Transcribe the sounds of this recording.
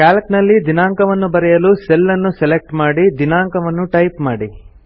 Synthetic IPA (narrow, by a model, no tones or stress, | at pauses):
kaːlɐknɐlːid̪inaːŋkɐʋɐnːubɐɾɛjɐluːselːɐnːuselek̚ʈmaːɽid̪inaːŋkɐʋɐnːuʈɐjpmaːɽi